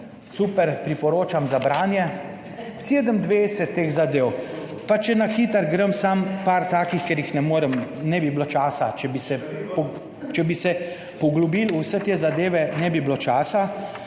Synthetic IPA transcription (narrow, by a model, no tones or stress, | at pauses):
supɛɾpɾipɔɾoːt͡ʃamzabɾaːnjɛ | seːd̪əmd̪ʋejsɛt̪ːeɣzad̪eːw | pat͡ʃɛnaxiːt̪əɾɡɾəmsampaɾt̪aːkixkɛɾjixnɛmoːɾəmnɛbiblot͡ʃaːsat͡ʃɛbisɛpɔ | t͡ʃɛbisɛ | pɔɡlubilusɛt̪eːzad̪eːʋɛnɛbiblot͡ʃaːsa